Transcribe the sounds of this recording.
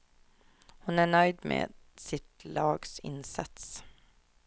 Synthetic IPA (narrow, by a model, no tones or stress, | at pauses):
hʊnæːɳœʏd̪mḛːsɪt̪ʰlɑːɡsɪ̰nsɑt̪s